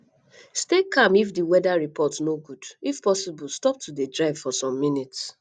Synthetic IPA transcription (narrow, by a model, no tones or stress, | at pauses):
stekʰãmifdiwɛdaɹipɔtnoɡudifpɔsibulstɔp̚tudedɹaɪv̥fɔsɔ̃mːĩnits